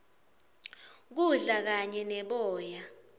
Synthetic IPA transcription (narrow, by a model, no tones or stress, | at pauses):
k̬uɮak̬aɲɛnɛɓɔːja